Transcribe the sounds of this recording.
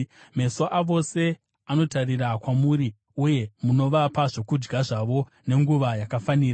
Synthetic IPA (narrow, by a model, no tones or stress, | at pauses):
me̞soʔaʋo̞se̞ | ano̞tarirakwamuːɾi | uje̞muno̞ʋapaʐo̞kud͡ʒɡaʐaʋo̞ | ne̞ŋɡuʋajakafaniːra